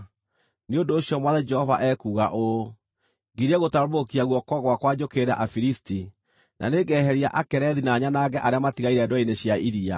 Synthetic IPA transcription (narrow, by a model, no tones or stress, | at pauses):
neondoːɕjɔmwaðɛd͡ʒɛhɔvaʔɛkuːɣaʔo | ŋɡiɾɛɣotaɾomokiaɣwɔkɔɣwakwad͡ʑokeɾa̰ʔafiɾisti | nʔa̰neɡɛɦɛɾia̰ʔakɛɾɛðinaɲanaːɡɛʔaɾeamatiɣaiɾɛːdwɔineɕjaiɾia̰